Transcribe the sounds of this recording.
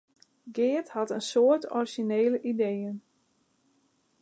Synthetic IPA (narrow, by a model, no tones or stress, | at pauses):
ɡɪːthatənsoətʰɔriʒineːləʔidejən